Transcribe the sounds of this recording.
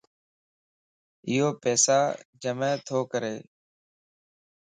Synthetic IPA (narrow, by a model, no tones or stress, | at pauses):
ɪjoːpɛːsaːd͡ʒəmɛ̃ːt̪ʰoːkəɾeː